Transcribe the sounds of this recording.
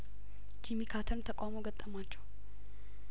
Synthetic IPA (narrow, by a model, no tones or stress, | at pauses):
d͡ʒimikʰat̪ʰənt̪ʰəkʷʼamoɡət̪ʼːəmat͡ʃːɛw